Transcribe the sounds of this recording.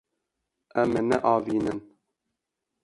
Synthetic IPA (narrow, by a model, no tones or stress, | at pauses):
ɛmːɛnɛ̰ʔɑːviːnɨn